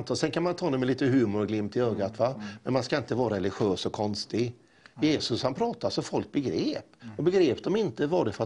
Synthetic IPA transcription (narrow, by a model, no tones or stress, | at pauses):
t̪ʰɑːsɛnkʰanmant̪ʰɑːnɛmɛliːt̪əɦʉ̟ːmʊɾɔɡlɪmt̪ʰɪøːɡat̪vamɛnmanskaɪnt̪əvɑːɾaɾɛlɪɧøːsɔkʰɔnst̪ɪɡ | jeːsɵshanpʰɾɑːt̪asɔfɔlk̚bɛɡɾeːpɔbɛɡɾeːpd̪ɔmɪnt̪əvɑːɾɪt̪fœɾa